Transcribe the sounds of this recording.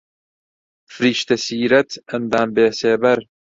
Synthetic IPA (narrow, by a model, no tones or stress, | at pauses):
fɾiːʃt̪ɐsiːɾɐt̪ɐnd̪aːmbeːseːbɐɾ